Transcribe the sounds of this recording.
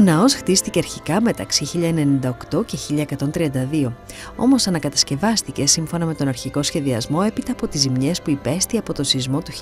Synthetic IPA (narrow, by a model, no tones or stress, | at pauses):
onɐo̞sxt̪ist̪iceɐɾçikɐme̞t̪ɐksiçiʎɐene̞nind̪ɐokt̪o̞ce̞çiʎɐekɐt̪o̞nt̪ɾiɐnd̪ɐðio̞ | o̞̰mo̞sɐnɐkɐt̪ɐ̥sce̞vɐst̪ice̞siɱfo̞nɐme̞t̪o̞nɐɾçiko̞sçe̞ðiɐzmo̞e̞pit̪ɐːpo̞t̪izimɲe̞spuipe̞st̪iɐpo̞t̪o̞sizmo̞t̪u